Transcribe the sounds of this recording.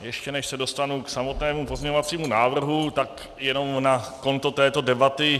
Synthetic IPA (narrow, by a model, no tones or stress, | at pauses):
jɛʃcɛnɛʃsɛdo̞st̪anuksamo̞t̪nɛːmupozɲɛɲovat͡siːmunaːvr̩ɦut̪ak | jɛno̞mnako̞nt̪ot̪ɛːt̪o̞dɛbat̪ɪ